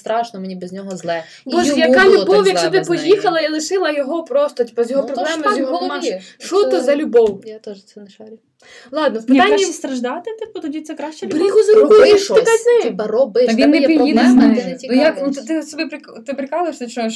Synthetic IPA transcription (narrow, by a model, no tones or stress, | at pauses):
st̪ɾɑʃnɔmenʲibɛzʲnʲɔɦɔzlˠɛ | bɔʒjɐkɑlʲubɔwjɐkʃɔd̪ɪpɔjixɐlˠɐilˠɪʃɪlˠɐjɔɦɔpɾɔst̪ɔtʲi̥pɔzʲjɔɦɔpɾɔblˠɛmɐzʲjɔɦɔmaʃɔt̪ɔzɐlʲʊbɔwjat̪ɔʒt͡sʲɛnɐʃɛɾʲ | lˠɑd̪nɔpɪt̪ɑnʲːiist̪ɾɐʒd̪ɑt̪ɪt̪ɪpɔt̪ɔdʲit̪sɛkɾaʃt͡ʃɛd̪ʲuɦʊzɾukpt̪anɛbɐɾɔbɪʋ̪ʲnɪpijiɐnɛjakɔt̪ɪsɔbɪpɾɪkt̪ɪpɾɪkɑlˠɐʃnɐt͡ʃnɔjʃ